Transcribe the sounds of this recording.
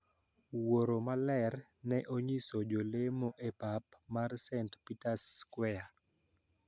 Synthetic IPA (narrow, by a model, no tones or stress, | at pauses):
woɾomalɛrnɛʔoɲisod͡ʒolemoʔepap̚marsɛntpitaskwɛa